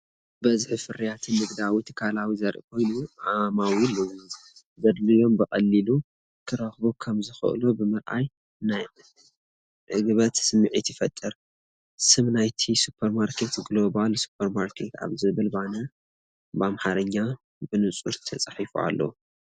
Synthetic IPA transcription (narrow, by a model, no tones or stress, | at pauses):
bɐzħɨfɨɾijat̪ʰinɨɡd̪awit̪ʰɨ̥kʰalawizɐɾʔkʰo̞jnuʕamawilɨwz | zɐd̪lɨjo̞mbɨxʼɐlːilu | kʰɨɾɐxbukʰɐmzɨxɨ̰ʔlobɨmɨɾʔa̰j | naj | ʕɨɡɨβɐt̪sɨmːɨʕit̪jɪfɐt̪ʼːɨɾ | sɨmnajt̪ʰisupʰɐɾmaɾkʰe̞t̪ɡlo̞βalsu̥pʰɐɾmaɾkʰe̞t̪ʰa̰βzɨβɨlbanɐ | bamħaɾɨɲːa | bɨnɨt͡sʼuɾt̪ʰɐt͡sʼaħifṵa̰lːɐ̰u